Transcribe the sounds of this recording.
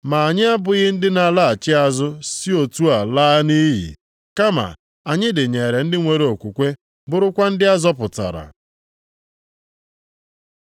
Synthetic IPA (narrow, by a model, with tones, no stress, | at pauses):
ma˨a˨ɲɪ˦a˦bʊ˨ɣɪ˦n̩˦dɪ˦na˨la˦a˨t͡ʃɪ˦a˨zʊ˦si˦o˨tu˦a˨la˦ni˦ɦḭ˨ | ka˦ma̰˨ | a˨ɲɪ˦dɪ˨ɲe˨ɾe˨n̩˦dɪ˦ŋʷe˨ɾe˨o˨kʷu˨kʷe˦ | bʊ˦ɾʊ˦kʷa˦n̩˦dɪ˦a˦zɔ˦pʊ˨ta̰˨ɾa̰˨